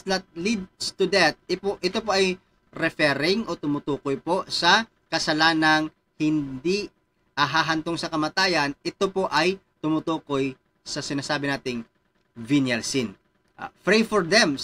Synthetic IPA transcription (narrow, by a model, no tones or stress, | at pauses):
lɐt̪̚lid̪̚st̪ʊd̪ɛt̪̚ɪpoʔɪt̪opo̞ʔɐj | ɾɛfɛɾɪŋʔo̞t̪ʊmʊt̪uːkojpo̞sɐ | kɐsɐlaːnɐŋ | hɪnd̪i | ɐɦaɦɐnt̪oŋsɐkɐmɐt̪aːjɐnʔɪt̪o̞po̞ʔɐj | t̪ʊmʊt̪uːko̞j | sɐsɪnaːsaːbɪnaːt̪ɪŋ | vinjɐlsɪn | ʔfɾejfɔɹd̪ɛm